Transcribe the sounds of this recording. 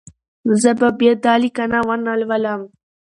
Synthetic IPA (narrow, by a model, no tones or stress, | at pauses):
zəbabed̪aːlikanawanalwalam